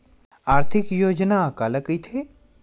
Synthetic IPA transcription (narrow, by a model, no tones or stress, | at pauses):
aːɾt̪ʰɪkjoːd͡ʒnaːkaːləkit̪ʰe